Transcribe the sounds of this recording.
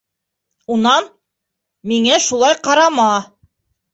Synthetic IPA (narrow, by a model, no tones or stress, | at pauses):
unɑn | miŋæʃulˠɑjqɑɾɑmɑ